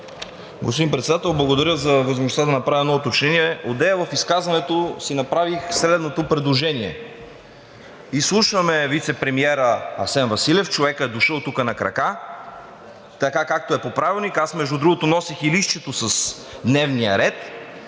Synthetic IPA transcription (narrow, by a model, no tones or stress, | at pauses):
ɡo̰spod̪impɾɛt̪sɛd̪at̪ɛlˠblˠɐɡod̪ɐɾʲəzɐvəzmoʒnsad̪ɐnɐpɾaviɛnɔot̪ot͡ʃnɛniɛod̪ɛəvɐfiskazvɐnɛt̪osinɐpɾavixsɾɛd̪not̪opɾɛd̪lˠoʒɛniɛ̰ | islˠuʃvɐmɛvit̪sɛpɾɛmiɛɾəɐsɛnvɐsilʲɛft͡ʃovɛkəɛd̪ʊʃəlˠt̪ukənɐkɾɐ̰ka | t̪ɐkakak̚t̪oɛpopɾavilˠnikasmɛʒd̪ud̪ɾuɡot̪onɔsixiliʃt͡ʃɛt̪osɐs | d̪nɛvnijə̰ɾɛt̪